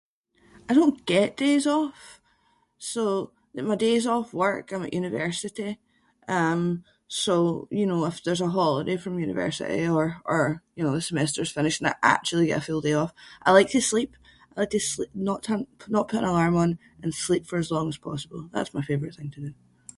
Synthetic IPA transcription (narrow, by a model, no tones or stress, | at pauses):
aɪdõnɡ̥ɛʔd̥ezɔf | so | maɪdezɔfwɜ˞kãɪ̃mə̰ʔjʉnɪvɜ˞sɪʔi | ʔʌ̃m | sojɨnoɪfðə˞zəɦɔlˠɪdefɹə̃mjʉnɪ̰vɜ̰˞sɪ̰ʔḭə˞ʔə˞jɨnoːðəsəmɛstə˞z̥fɪ̃ñɪʃə̃naɪʔa̰k̚t͡ʃʉl̩ˠiɡɛ̰ʔəfʉlˠdeɔfʔaɪlˠaɪk̚tʰəslˠip̚ | aɪlˠaɪk̚tʰəslˠinəʔtʰə̃nnəʔpʰʊʔɪ̰̃nəlˠaɹmə̃n | ʔə̃nslˠipfə˞əzlˠɔ̃ŋəz̥pʰɔ̰səb̥əl̩ˠða̰tsmaɪfevə˞ɪʔθɪ̃ŋtʰədʉ